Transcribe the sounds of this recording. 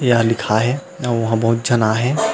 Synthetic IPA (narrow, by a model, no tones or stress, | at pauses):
jalɪkʰaɦɛ | ɔːɾʋɐɦãbɐɦʊt̪̚d͡ʒɐnaɦɛː